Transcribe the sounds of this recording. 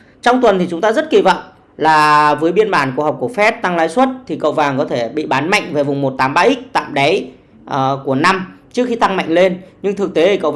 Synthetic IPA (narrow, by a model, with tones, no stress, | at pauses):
t͡ɕɔ˧wŋ͡mt̪wə˨˩nt̪ʰi˨˩t͡ɕʊ˨˦ŋ͡mt̪aː˧zə˦˥t̚ki˧və̰˧˨ŋ͡m | laː˨˩vəː˨˦jɓi˧ənɓaː˧˩nkəha˨˩k͡p̚ku˧˩əfɛ˦˥t̚t̪a˧ŋlaː˨˦jswə˦˥t̚t̪ʰi˨˩kə̰˧˨wvaː˨˩ŋkɔ˨˦t̪ʰe˧˩ɓḭ˧˨ɓaː˨˦nma̰˧˨jŋ̟ve˨˩vʊ˨˩ŋ͡mmo˨˩t̚t̪aː˨˦mɓaː˧ʔi˦˥k̚t̪a̰ː˧˨mɗa˨˦j | ʔːku˧˩əna˧mt͡ɕɨ˦˥əkxi˧t̪a˧ŋma̰˧˨jŋ̟le˧nɲɨ˧ŋt̪ʰɨ˨˩k̚t̪e˨˦i˨˩kə̰˧˨